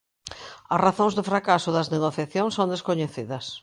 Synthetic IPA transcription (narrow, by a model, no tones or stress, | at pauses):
ɐsraθõŋzðɪfɾakasʊðɐzneɣoθjaθjõŋsõnd̪eskoɲeθiðɐs